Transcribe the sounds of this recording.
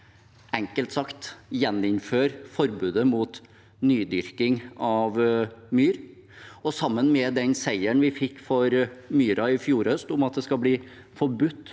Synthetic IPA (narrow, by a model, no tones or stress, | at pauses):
ɛŋkəlt̪sɑkt̪jɛnːɪnføːɾfɔɾbʉːd̪əmuːt̪ | nyːd̪ʏɾkɪŋɑʋmyːɾ | ɔsɑmːənmɛd̪ɛnsæɪəɳʋɪfɪkːfɔɾmyːɾɑɪfjuːɾhœst̪ʊmɑt̪̚d̪ɛskɑbliː | fɔɾbʉt̪ː